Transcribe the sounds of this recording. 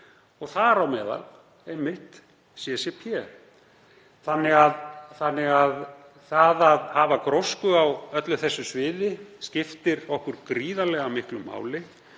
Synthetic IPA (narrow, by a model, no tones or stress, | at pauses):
ɔɣθaɾawmɛːða̰l | ejmːɪht̪ | sjɛsjɛpʰjɛ | θanːɪɣaðθanːɪɣað | θaðaðhaːvakɾɔwskʏawœt̪lʏθɛsːʏsvɪːðɪscɪft̪ɪɾɔhkʏɾkɾiːðalɛɣamɪhklʏma̰ːwlɪ